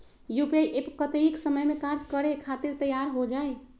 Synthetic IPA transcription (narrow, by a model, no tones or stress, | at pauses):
jupeʔepkət̪eiksəməjmekaɾd͡ʒkəɾekʰat̪iɾt̪əjaɾɦod͡ʒae